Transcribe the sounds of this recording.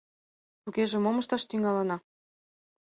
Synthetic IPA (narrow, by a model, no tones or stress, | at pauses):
t̪uɣeʒemomɤ̆ʃt̪ɑʃt̪yŋɑlɑnɑ